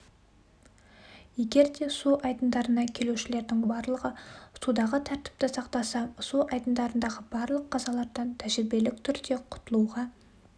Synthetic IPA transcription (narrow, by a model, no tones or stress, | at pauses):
je̞ɡʲe̞ɾd̪e̞suʔɑjd̪ənd̪ɑɾənɑkʲʰe̞luʃɪle̞ɾd̪ɪŋbɑɾlˠəʁəsud̪ɑʁət̪ʰæɾt̪ɪ̥p̚t̪ɪsɑqt̪ɑsɑsuɑjd̪ənd̪ɑɾənd̪ɑʁəbɑɾlˠəqːɑzɑlˠɑɾd̪ɑnt̪ʰæʒɪɾbe̞lɪk̚t̪ʰʏɾd̪e̞qʰʊ̥t̪əlˠuʁɑ